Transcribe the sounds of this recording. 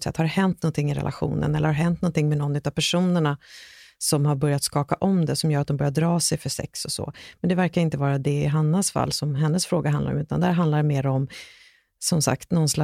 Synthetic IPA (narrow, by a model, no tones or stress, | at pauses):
t̪sɛ̰t̪ːhaɾhɛnt̪̚nɔnt̪ʰɪŋːɪɾɛ̰lʔa̰ɧṵːnə̰nɛlːəɾhaɾɦɛnt̪nɔnt̪ɪŋːmɛnɔnːʉ̟t̪ːav̥pʰæʂuːnəɳasɔmhaɾbœɾjat̪skɑːkaʔɔmd̪ɛsɔmjœːɾat̪̚ɔmbœɾjad̪ɾɑːsɛjfœʂɛ̰ksɔsɔ̰mɛnd̪ɛvæɾkaɾɪnt̪əvɑːɾad̪ɛɪɦanːasfa̰lːsɔmɦɛnːəsfɾoːɡaɦand̪aɾɔ̰mʉ̟ːt̪and̪æːɾɦand̪laɖɛmeːɾaɔm | sɔmsa̰kt̪nɔnsla